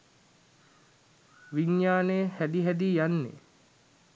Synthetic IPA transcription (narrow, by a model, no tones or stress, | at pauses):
ʋiɲjaːnehæd̪iɦæd̪iːjanːḛ